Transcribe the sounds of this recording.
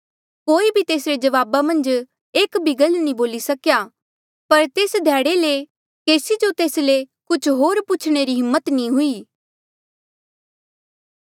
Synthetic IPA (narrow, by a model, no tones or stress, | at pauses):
koːibʱit̪eːsɾed͡ʒɐʋaːbamɐ̃nd͡ʒ | eːkbʱɪɡəlnĩboːlisɐkjaː | pɐɾt̪eːsd̪ʱɛːɽele | keːsid͡ʒot̪eːslekʊt͡ʃʰɦoːɾpʊt͡ʃʰɽ̃eɾiɦɪmːət̪nĩɦʊiː